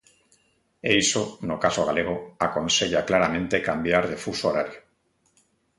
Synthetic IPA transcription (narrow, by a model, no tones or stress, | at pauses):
ejsonokasoɣ̞aleɣ̞oakõnseʎaklaɾamẽnt̪ekambjaɾðefusoɾaɾjo